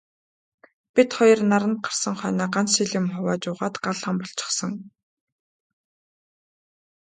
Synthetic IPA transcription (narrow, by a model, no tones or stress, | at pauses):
pit̪χɔjɞ̆rnaɾə̆nt̪̚ɢḁr̥sə̆ŋχœːnaːɢant͡sʃiɮĭmχʊwaːt͡ɕʊːʁaːt̪ɢaɮʁaːmpɔɬt͡ɕɪ̥̆χsə̆ŋ